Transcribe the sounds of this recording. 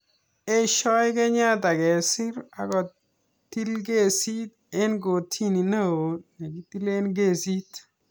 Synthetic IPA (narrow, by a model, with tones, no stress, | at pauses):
e˦ʃɔ˦jke˦ɲa˦ta˨kɛ˨sɪ˦ɾa̰˦kɔ˨ | tːi˦lɡe˦˨si˦t̪̚ | e˦nɡo˨tʰi˦ni˨na˦wo˨ne˨ki˦ti˦le˦nɡe˦˨si˦t